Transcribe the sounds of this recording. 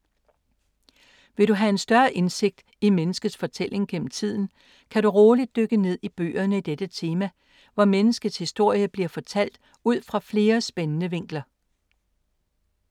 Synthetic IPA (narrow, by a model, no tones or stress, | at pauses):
ʋe̝ɾuɦæe̝nsd̥ɶɐʔe̝nse̝ɡ̥̚d̥ | imenəsɡ̥əð̩ˠsfɒ̽t͡sʰel̰e̝ŋɡ̥en̰m̩t͡sʰið̞̰ˠn̩ | kʰæɾuʁɔːlid̥̚ːøɡ̥əne̝ð̞̰ˠib̥ø̰ːɐnəid̥ed̥ət͡sʰe̝ːmæ | ʋɒmenəsɡ̥əð̩ˠshisd̥o̝ɐ̰jəb̥liɐfɒ̽t͡sʰæl̰d̥ | uð̞̰ˠfʁɑ̈fle̝ːɐsb̥enənəʋe̝ŋ̰ɡ̥lɐ